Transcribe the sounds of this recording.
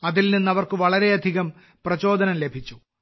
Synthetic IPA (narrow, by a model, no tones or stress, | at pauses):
ɐðilninːɐʋɐrkɨʋɐɭɐɾe̞ɐd̪ʱiɣɐm | prɐt͡ɕo̞ːd̪ɐnɐmle̞bʱit͡ɕːu